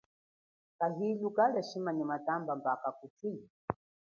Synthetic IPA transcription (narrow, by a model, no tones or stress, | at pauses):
kaɦilukalɛʃimaɲamatambambakakutʰi